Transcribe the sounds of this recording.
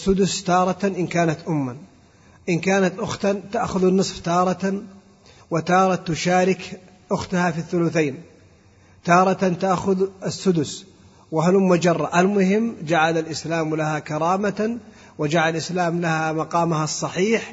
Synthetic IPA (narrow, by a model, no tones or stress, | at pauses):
sːʊd̪ʊst̪ɑːɾˤɑt̪aʔɪnkaːnat̪ʔʊmːa | ʔɪnkaːnat̪ʔʊxt̪at̪aʔxʊðanːɨsˤft̪ɑːɾˤɑt̪an | wɪt̪ɑːɾˤɑt̪ːʊʃaːɾɪk | ʔʊxt̪ahafiθːʊlʊθeːn | t̪ɑːɾˤɑt̪ant̪aʔxʊðɪsːʊd̪ʊs | wahalʊmːʊd͡ʒɑrˤːɑʔalmʊhɪmːd͡ʒaʕalalʔɪslaːmlahakɑɾˤɑːma | wɪd͡ʒaʕaalʔɪslaːmlahamɑqɑːmahɑsˤːɑħiːħ